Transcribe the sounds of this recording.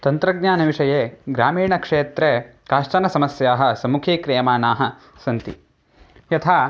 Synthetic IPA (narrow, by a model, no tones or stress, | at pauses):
t̪ɐnt̪ɾɐɡ̚ɲaːnɐʋiʂɐjeːɡɾaːmiːɳɐkʂeːt̪ɾe | kaːʂʈɐnɐsɐmɐsjaːɦɐ̆sɐmukʰiːkɾeːmaːnaːɦɐ | sɐnt̪ḭ | jɐt̪ʰaː